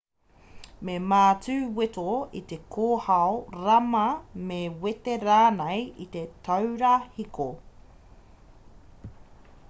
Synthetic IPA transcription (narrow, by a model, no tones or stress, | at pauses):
memaːt͡sʉːwet̪oḭt̪ekʰoːhɐoɾɐmɐmewet̪eɾaːnejit̪e̞t̪ʰɐwɾahikʰo